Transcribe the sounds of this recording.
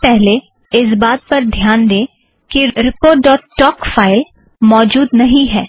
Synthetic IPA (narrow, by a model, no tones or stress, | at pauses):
pɛɦle | ɪs̬baːt̪̚pɐɾd̪ʱjaːnd̪ẽː | kiɾɪpoːʈɖɔːʈːɔːkfaːɪl | mɔːd͡ʒuːd̪nɐɦĩɦɛː